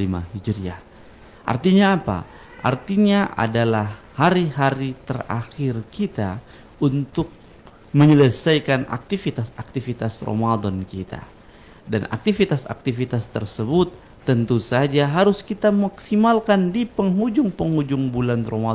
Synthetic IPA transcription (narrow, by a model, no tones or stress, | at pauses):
lima̰hid͡ʒɾia̰ | ʔa̰rt̪iɲaːpa̰ | ʔa̰rt̪iɲaʔa̰dalahːaɾihaɾit̪əra̰xɪrkit̪a | unt̪ʊk̚ | məɲələsajkana̰k̚t̪ifit̪asak̚t̪ifit̪asro̰madɔnkit̪a̰ | dana̰k̚t̪ifit̪asa̰k̚t̪ifit̪ast̪ərsəbʊt̪ː | ənt̪usad͡ʒaɦaɾʊskit̪amaksimalkandipəŋɦud͡ʒʊŋpəŋud͡ʒʊŋbulanroma